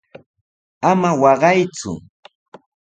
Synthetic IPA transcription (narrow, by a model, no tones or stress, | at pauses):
amawɑɢɑjt͡sʊ̰